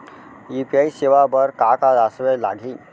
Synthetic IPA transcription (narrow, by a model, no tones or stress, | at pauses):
ipiaiseʋabəɾkakad̪asʋɛla̰ɡliː